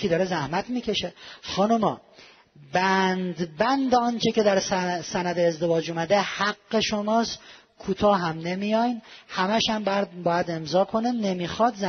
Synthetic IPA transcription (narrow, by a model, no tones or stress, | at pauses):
id̪ɒːɾezæhmæt̪ʰmiːcʰe̞ʃexɒːnumɒː | bænd̪bænd̪eɒnt͡ʃʰekʲe̞d̪æɾsænæd̪eːzd̪e̞vɒːd͡ʒumæd̪ehæɡːe̞ʃomɒːst̪ | kʰuːt̪ʰɒːɦæmnemijɒjnhæmæʃhæmbjæd̪bɒːjæd̪e̞mzɒːkʰonenemixɒd̪zæ